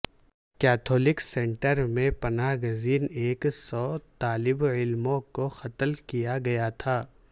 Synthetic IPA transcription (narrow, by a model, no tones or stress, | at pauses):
kɛːt̪ʰɔːlɪksẽːɳʈəɾmẽpɐnaːɦɡʊziːneːksɔːt̪aːlɪbɪlmõkoxɐt̪lkijaɡɐjat̪ʰaː